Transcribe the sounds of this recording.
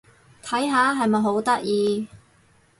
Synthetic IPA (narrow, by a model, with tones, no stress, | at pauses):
t̪ʰɐ˨˥jɦaː˨˧˥ɦɐ˨jmɐ˨jɦo˨˥wt̪ɐ˥k̚jiː˧